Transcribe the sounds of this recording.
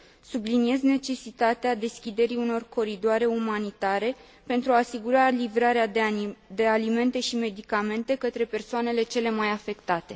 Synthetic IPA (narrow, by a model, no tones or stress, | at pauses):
sublinie̞zne̞t͡ʃe̞sit̪at̪ead̪e̞skʲid̪e̞ɾiuno̞rko̞ɾid̪oaɾe̞umanit̪aɾe̞ | pe̞nt̪ɾuaːsiɡuɾalivɾaɾead̪e̞alime̞nt̪e̞ʃime̞d̪ikame̞nt̪e̞kət̪ɾe̞pe̞rsoane̞le̞t͡ʃe̞le̞majafe̞kt̪at̪e̞